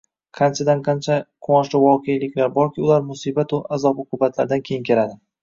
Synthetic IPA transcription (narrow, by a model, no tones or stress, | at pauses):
qʰɑnt͡ʃʰad̪anqʰɑnt͡ʃʰaqʰoɒʃlɪvɒqʰejlɪkʲlaɾbɒɾkʲʰɪʊlaɾmʊsibat̪ʊazɒbʊqʰʊbat̪ʰlaɾd̪ankʲʰejɪŋkʲʰe̞ɾad̪ɪ